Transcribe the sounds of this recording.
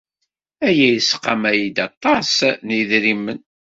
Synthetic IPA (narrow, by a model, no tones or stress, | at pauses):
æjæjəsqːɑmæjid̪ɑt̪ˤːɑsniðɾimːən